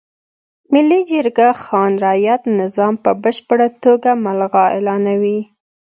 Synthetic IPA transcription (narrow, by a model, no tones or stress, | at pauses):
mɪlːid͡ʒəɾɡaxɑnɾɑjat̪nɪzɑmpəbəʃpəɽat̪oɡamalɣɑelɑnawi